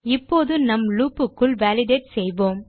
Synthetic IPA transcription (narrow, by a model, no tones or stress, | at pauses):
ɪpːoːðɯnɐmluːpːɯkːɯɭʋaːlɪɖeɪʈsɛjʋoːm